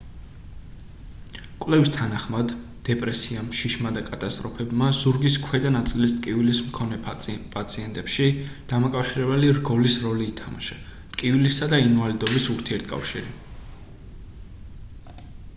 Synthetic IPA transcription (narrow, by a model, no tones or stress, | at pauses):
kʼwlɛvist̪ʰanaχmad̪ː | ɛpʼɾɛsiamʃiʃmad̪akʼat̪ʼast̪ʼɾɔpʰɛbmazuɾɡiskʰwɛd̪anat̪sʼilist̪ʼkʼivilismkʰɔnɛpʼat̪sʰiɛnt̪ʼɛpʃid̪̥amakʼafʃiɾɛbɛliɾɡɔlisɾɔliːt̪ʰama̰ʃat̪ʼkʼivilisad̪ainvalid̪ɔbisuɾt̪ʰiɛɾt̪ʰkʼa̰fʃiɾi